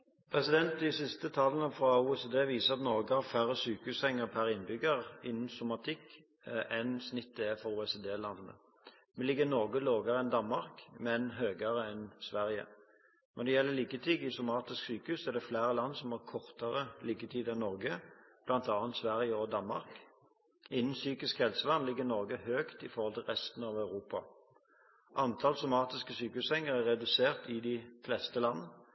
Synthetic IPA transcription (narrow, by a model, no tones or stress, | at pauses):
pʰɾɛsɪd̪ɛnt̪̚d̪ɪsɪst̪ət̪ʰɑlːənəfɾɑuːɛsed̪eːʋiːsəʁɑt̪nɔʁɡəhɑʁfæʁəsyːkəʉsɛŋːəʁpʰæɾɪnbʏɡəɾɪnːn̩sʊmɑt̪ʰɪk | ɛnsnɪt̪ːd̪əɛfɔɾuːɛsed̪eːlɑnːə̰ | mɛlɪɡːənɔʁɡəloːɡəʁəɛnd̪ɑnmɑʁkmɛnɦøːɡəʁəɛnsʋæʁjə̰ | nnd̪ɛjɛlːəliːkət̪ʰiːɡɪsʊmɑːt̪ɪsksyːkəhʉːsɔæʁd̪ɛflæːʁəlɑnːsɔmɑʁkʰɔʁt̪əʁəliːkət̪ʰiːd̪ɛnːɔʁɡəb̥lɑnt̪ɑːnt̪sʋæʁjəɔd̪ɑnmɑ̰ʁk | ɪnːn̩syːkɪskhɛlsəlɑnlɪɡːəɪnɔʁɡəhøːkt̪ɪfɔɾhɔlt̪ʰɪlʁɛst̪n̩ɑʋœʉʁuːpɑ̰ | ʔɑnt̪ʰɑlsʊmɑːt̪ɪskəsyːkəhʉːshɛŋːəʁæʁɛd̪ʉseːʁt̪ʰɪd̪ɪflɛst̪əlɑnːə